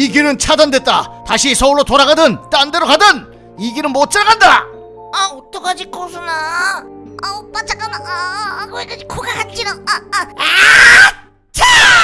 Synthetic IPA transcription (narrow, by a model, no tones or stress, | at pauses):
iɡiɾɯnt͡ɕʰadandwe̞t̚t͈ataɕʰisʰʌuɭːotoɾaɡadɯnt͈andeɾokadɯn | iɡiɾɯnmot͡ɕ͈ɯɾaɡanda | aot͈okad͡ʑikosʰɯna | apat͡ɕak͈amaakoekʰad͡ʑikʰoɡakat͡ɕ͈ʰiɾaa | t͡ɕʰa